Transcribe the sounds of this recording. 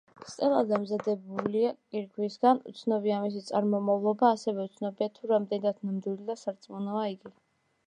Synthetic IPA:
st̪ʼɛlˠad̪amzad̪ɛbuliakʼiɾɡʰwisɡanṵt̪sʰnɔbiaːmis̬it̪sʼaɾmɔmavlˠɔbaːsɛvɛut̪sʰnɔbiat̪ʰuɾamd̪ɛnid̪ad̪namd̪wilid̪asaɾt̪sʼmɔnɔaiɡi

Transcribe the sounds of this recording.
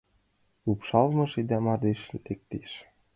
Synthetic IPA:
upʃɑlmɤ̆ʃid̪æmɑd̪eʃt̪ek̚t̪eʃ

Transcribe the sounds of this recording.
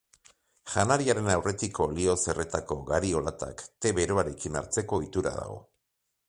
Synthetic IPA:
ʝanaɾiaɾe̞nawre̞t̪iko̞lio̞se̞re̞t̪ako̞ɣaɾio̞lat̪a̰kt̪e̞βe̞ɾo̞aɾe̞kina̰ɾt͡se̞ko̞it̪uɾa̰ða̰ɣo̞̰

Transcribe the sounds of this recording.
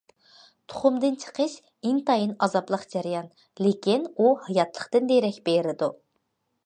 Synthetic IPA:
t̪ʰʊ̥χʊmd̪ɨnt͡ʃʰə̥qʰəʃ | ɪŋt̪ʰɑjɨnɑzɑblˠəqd͡ʒæɾjɑn | lekʲinuhɑjɑt̪ʰlˠəχqt̪ɨnd̪eɾɛkʲbeɾɪd̪u

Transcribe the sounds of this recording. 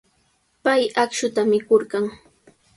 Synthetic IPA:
pajakʃʊt̪amɪkoɾɢɑŋ

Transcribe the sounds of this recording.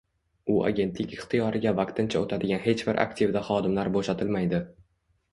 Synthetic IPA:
ʊa̰ɡʲe̞nt̪lɪkʲɪχt̪ʰijɒɾɪɡʲavaq̚t̪ʰɪnt͡ʃʰaot̪ʰad̪ɪɡʲanɦe̞t͡ʃbɪɾʔa̰kt̪ʰivd̪aχɒd̪ɪmlaɾboʃat̪ʰɪlmajd̪ɪ

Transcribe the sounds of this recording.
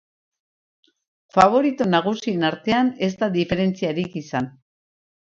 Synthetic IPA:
faβ̞o̞ɾit̪onaɣ̞usienaɾt̪e̞ane̞zt̪aðife̞ɾe̞nt͡siaɾikisan

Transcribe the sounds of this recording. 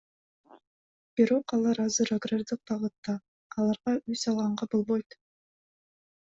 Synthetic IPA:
b̥iɾo̞qɑlˠɑɾɑzɯɾaɡrard̪ɯq̚bɑʁɯt̪ːɑː | lˠɑɾʁɑysɑlˠʁɑɴɑbo̞lˠbo̞jt̪

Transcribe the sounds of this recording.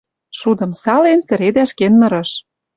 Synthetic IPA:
ʃud̪ɤ̆msɑlent͡sɘ̆ɾed̪æʃkenmɤ̆ɾɤ̆ʃ

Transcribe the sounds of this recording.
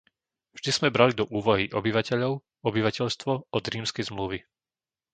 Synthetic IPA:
vʒd̪iz̥mɛbɾalid̪ɔʔuːʋɔɦiʔɔbiʋacɛʎɔʊ | ɔbiʋacɛʎst̪ʋɔɔd̪ɾiːmskɛjzmluʋi

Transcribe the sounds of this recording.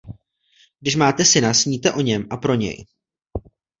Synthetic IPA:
ɡ̚dɪʃmaːt̪ɛsɪnasɲiːt̪ɛʔo̞ɲɛmʔapɾo̞ɲɛ̰j

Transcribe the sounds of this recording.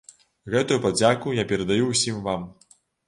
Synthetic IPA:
ɣɛt̪ujupad͡zʲakujapʲɛɾɐd̪ajuwsʲimvam

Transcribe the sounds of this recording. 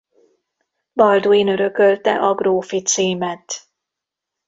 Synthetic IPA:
bɒld̪uiːnø̞ɾø̞kø̞lt̪ɛ̰ʔɒɡroːfit̪siːmɛt̪

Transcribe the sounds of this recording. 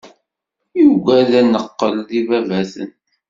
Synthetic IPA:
juɡæðænəqːəlðivævæθə̰nt̪

